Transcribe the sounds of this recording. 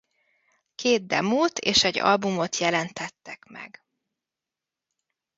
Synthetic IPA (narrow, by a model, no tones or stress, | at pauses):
keːd̪̚d̪ɛmuːt̪eːʃɛɟːɒ̰lbumot̪ʰjɛlɛnt̪ɛt̪ːɛkmɛ̰ɡ